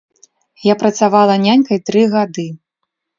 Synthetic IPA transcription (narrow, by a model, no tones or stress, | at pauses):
japɾɐt̪savalˠɐnʲanʲkɐjt̪ɾɨɣad̪ɨ